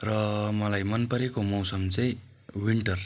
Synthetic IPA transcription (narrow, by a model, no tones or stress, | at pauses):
rʌmʌlajmʌnpʌɾekomʌwsʌmt͡sʌ̃j̃ | wiɳʈʌr